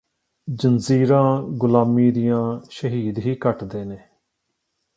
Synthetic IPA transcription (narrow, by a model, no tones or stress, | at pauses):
d͡ʒənziːɾãːɡʊlaːmiːd̪ɪjãːʃəɦiːd̪ɦiːkəʈd̪eːneː